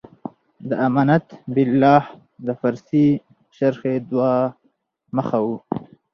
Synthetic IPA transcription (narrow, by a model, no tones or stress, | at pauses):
d̪əamɑːnat̪bɪlːɑːh | d̪əfaɾsi | ʃaɾxed̪wɑ | məxawu